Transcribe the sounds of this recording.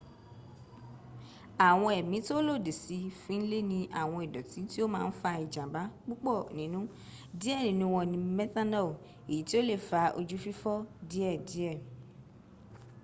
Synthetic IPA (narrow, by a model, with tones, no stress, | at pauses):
a˨w̃ɔ̃˧ɛ˨mĩ˨˦to˦lo˦˨de˨si˧fĩ˨˦n̩˦le˦nĩ˧ʔa˨w̃ɔ̃˧ɛ˨dɔ˨tĩ˨˦ti˦o˦mãː˦˧n̩˦fa˧i˨d͡ʒã˨ba˨˦k͡pu˦k͡pɔ˦˨nĩ˨nũ˦ | di˦ɛ˦˨nĩ˨nũ˧wɔ̃˨nĩ˧mɛ˦t̪a˦nɛ˦˨ | e˨ji˨˦ti˦o˦le˦˨fa˨˧ʔo̰˧d͡ʒu˦fi˦fɔ˦di˦ɛ˦˨di˦ɛ˦˨